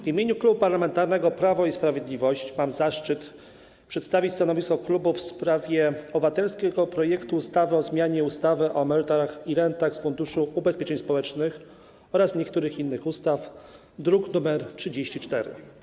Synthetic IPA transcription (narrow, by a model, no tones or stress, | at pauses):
vimʲeɲuklubupaɾlamɛnt̪aɾnɛɡɔpɾavɔispɾavʲjed̪lʲivɔɕt͡ɕmamzaʂt͡ʂɘt̪ | pʂɛt̪st̪avʲit͡ɕst̪anɔvʲiskɔklubufspɾavʲjɛɔbɘvat̪ɛlskʲɛɡɔpɾɔjɛkt̪uːst̪avɘɔzmʲjaɲɛust̪avɘʔɔmɛɾɘt̪ɔɾaxiɾɛnt̪axsfund̪uʂuubɛspʲjeɛt͡ʂɛɲspɔwɛt͡ʂnɘx | ɔɾasɲɛkt̪uɾɘxinːɘxust̪af | d̪ɾuknumɛɾtʂɘd͡ʑeɕt͡ɕit͡ʂt̪ɛɾɘ̰